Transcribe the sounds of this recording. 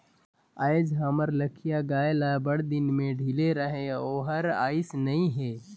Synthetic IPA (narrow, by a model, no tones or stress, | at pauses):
aːjd͡ʒɦɐməɾləkʰijaɡaːjlabəɽd̪ɪnmẽɖʱileɾəɦẽoːɦɐɾa̰ːɪsnɐĩɦɛː